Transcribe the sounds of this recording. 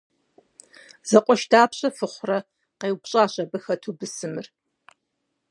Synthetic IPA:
z̥ɐqʷʼɔʃtʰaːpɕʼɐfɨχʷrɐ | qeːwpɕʼaːɕʼɐbɨxɐtʰubɨsɨmɨr

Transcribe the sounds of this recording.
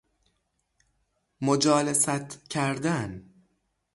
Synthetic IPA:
mod͡ʒɒːlesæt̪ʰcʰæɾd̪æn

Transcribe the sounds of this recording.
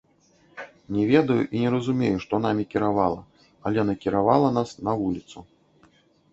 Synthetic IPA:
nʲɛvʲɛd̪ɐjuʔinʲɛɾɐzumʲejuʂt̪ɔnamʲikʲiɾavalˠɐ | ɐlʲɛnɐkʲiɾavalˠɐnasnɐvulʲit̪su

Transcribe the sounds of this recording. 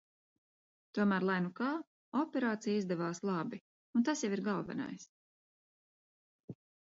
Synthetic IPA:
t̪uɔmæːɾlˠajnukɑː | ɔpʲɛɾaːt̪sijizd̪ɛvaːslˠɑbi | unt̪asjɛviɾɡalˠvɛ̰na̰js

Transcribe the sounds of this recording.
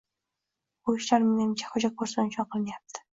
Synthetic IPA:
oɪʃlaɾmenɪmt͡ʃʰḁχʊd͡ʒakʰoɾsnɪʃʰɒnqʰɨlˠɪnɪjap̚t̪ʰɪ̥

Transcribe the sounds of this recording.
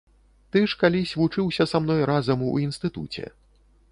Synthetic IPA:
t̪ɨʂkalʲisʲvut͡ʂɨwsʲɐsamn̪ɔjɾazɐmuinst̪ɨt̪ṵt͡sʲɛ̰

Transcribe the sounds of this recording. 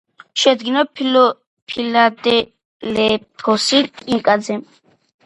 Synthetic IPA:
ʃɛd̪ɡinɔpʰlɔ | pʰilad̪ɛ | lɛpʰɔsiiŋkʼad̪zɛm

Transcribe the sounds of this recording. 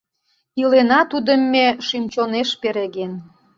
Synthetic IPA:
ilenɑt̪ud̪əmːeʃymt͡ɕoneʃpeɾeɣen

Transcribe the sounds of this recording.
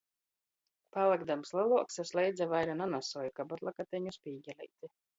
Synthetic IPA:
palˠaɡd̪amslˠalˠuɔksaslɛjd̪zavajɾananasɔːjukabɔt̪lˠakat̪ʲɛɲuspʲiːɟʲɛlʲɛ̰jt̪ʲi

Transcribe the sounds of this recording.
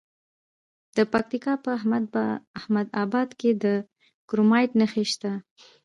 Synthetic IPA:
d̪̥əpak̚t̪ikɑpə | ahmad̪ɑbɑd̪ked̪ə | kɾumɑjʈnəxeʃt̪a

